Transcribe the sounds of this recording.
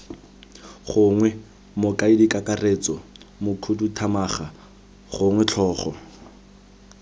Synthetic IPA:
χʊŋwɛ | mʊkʼaidikʼakʼaret͡sɔmʊkʰudutʰamaːχa | χʊŋwɛt͡ɬʰɔːχɔ̰

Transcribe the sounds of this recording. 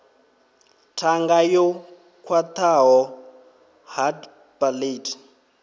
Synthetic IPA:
tʰaŋɡajɔ | kʰwat̪ʰaɦɔ | had | palitʰ

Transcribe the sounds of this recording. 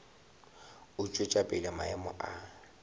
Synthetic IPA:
ʊt͡ʃʼʊt͡ʃʼapʼɪlɪmaɪmʊʔa

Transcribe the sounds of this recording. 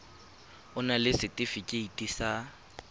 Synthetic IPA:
ʊnalɪsɪtʼɪfɪkʼɪitʼisa

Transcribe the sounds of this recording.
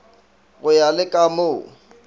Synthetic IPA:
ɣʊjalɪkʼamoː

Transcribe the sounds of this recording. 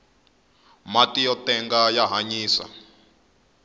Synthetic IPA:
matʼijɔt̪ʼɛŋɡajaɦaɲiːsa̰

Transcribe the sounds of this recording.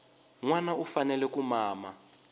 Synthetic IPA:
ŋwanaufanɛlɛkumaːma

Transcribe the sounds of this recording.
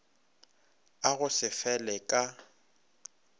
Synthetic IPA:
aɣʊsɪfɛlɛkʼa

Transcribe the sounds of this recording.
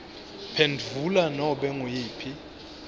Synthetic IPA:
pʰɛndʱulanɔɓɛŋujiːpʰi

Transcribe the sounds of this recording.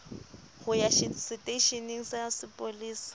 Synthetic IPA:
hʊjaʃsɪtʼeiʃeniŋ̩sasɪpʼoliːsɪ̥

